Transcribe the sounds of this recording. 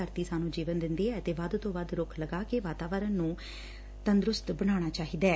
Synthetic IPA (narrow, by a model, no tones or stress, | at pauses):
əɾt̪iːsaːnũːd͡ʒiːʋənd̪ɪnd̪eːɛːt̪eːʋəd̪t̪õːʋəd̪ɾʊkʰləɡaːkeːʋaːt̪aːʋəɾənnũː | t̪ənd̪ɾʊst̪bəɽ̃aːɽ̃aːt͡ʃaːɦiːd̪ɛː